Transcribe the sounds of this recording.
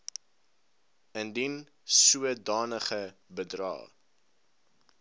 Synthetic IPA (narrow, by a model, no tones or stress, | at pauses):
əndin | suədɑːnəχəbədrɑ̰ː